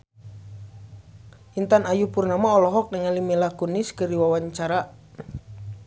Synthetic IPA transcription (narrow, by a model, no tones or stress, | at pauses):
int̪anajupurnamaɔlɔɦɔk̚nɛŋalimilakuniskərdiwawaɲt͡ʃaɾa